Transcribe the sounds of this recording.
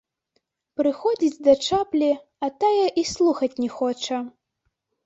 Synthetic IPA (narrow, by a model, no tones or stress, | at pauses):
pɾɨxɔd͡zʲit͡sʲd̪ɐt͡ʂaplʲi | ɐt̪ajɐʔislˠuxɐt͡sʲnʲɛxɔt͡ʂɐ